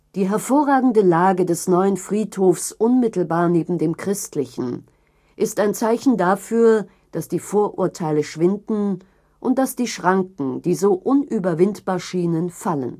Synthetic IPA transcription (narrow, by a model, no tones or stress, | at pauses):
d̥iːɦɛɐfoːɐʁaːɡŋ̩dəlaːɡədɛsnɔʏənfʁ̥iːthoːfsʔʊnmɪtl̩baːɐneːbm̩deːmkʁ̥ɪstlɪçn̩ | ʔɪstaɪnt͡saɪçn̩dafyːɐ | d̥asd̥iːfoːɐʔṵːɐtʰaɪləʃv̥ɪndn̩ | ʔʊnt̚d̥asd̥iːʃʁ̥aŋkŋ̩d̥iːzoːʔʊnʔyːbɐvɪntb̥aːɐʃiːnənfalə̰n